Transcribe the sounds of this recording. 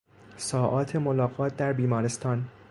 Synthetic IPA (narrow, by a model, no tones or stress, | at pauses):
sɒːʔɒːt̪ʰemolɒːɣɒːt̪̚ʰd̪æɾbiːmɒːɾest̪ɒːn